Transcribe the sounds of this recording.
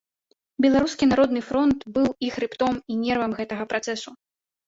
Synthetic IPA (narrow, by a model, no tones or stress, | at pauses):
bʲɛlˠaɾuskʲinaɾɔd̪nɨfɾɔnt̪bɨwixɾɨpt̪ɔminʲɛrvɐmɣɛt̪ɐɣɐpɾʔat̪sɛsu